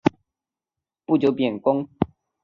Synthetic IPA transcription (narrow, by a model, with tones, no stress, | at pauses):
pu˥˨˩t͡ɕjo˧˦pjɛ˨˩nkʊ˦ŋ